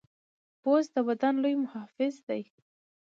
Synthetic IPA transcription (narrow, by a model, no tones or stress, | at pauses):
bozd̪əwad̪anlojmʊhɑfɪzd̪aj